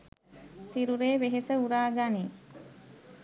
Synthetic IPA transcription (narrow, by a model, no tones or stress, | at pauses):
siɾuɾeːʋeɦesəuɾaːɡani